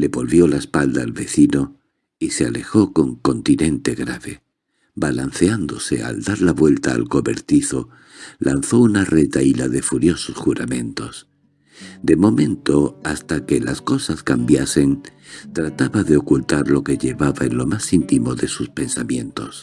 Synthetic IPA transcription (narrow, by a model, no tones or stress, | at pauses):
le̞βo̞lβjo̞laespald̪aːlβe̞θino | ise̞ale̞xo̞ko̞ŋko̞nt̪inẽ̞nt̪e̞ɣɾaβe̞ | balan̟θe̞and̪o̞se̞a̰ld̪aɾlaβwe̞lt̪a̰ːlko̞βe̞̰ɾt̪iθo̞ | lʔan̟θo̞unare̞t̪ailaðe̞fuɾjo̞so̞sxuɾamẽ̞nt̪o̞s | d̪e̞mo̞mẽ̞nt̪o̞ast̪ake̞lasko̞saskambjase̞nt̪ɾat̪aβaðe̞o̞kult̪aɾlo̞ke̞ʎe̞βaβae̞nlo̞masint̪imo̞ðe̞suspe̞nsamjẽ̞nt̪o̞s